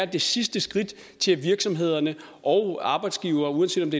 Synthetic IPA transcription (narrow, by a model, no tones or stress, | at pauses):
ɐd̥e̝sisd̥əsɡ̥ʁid̥ | t͡sʰe̝lʋiɐɡ̥sɒ̽mɦe̝ð̞̰ˠɐnə | ʔɒ̽ʊɑ̈ːb̥ɑ̈ɪd̥sɡ̥iʊ̰ɐːuðˠɐnse̝̰dɒmd̥e̝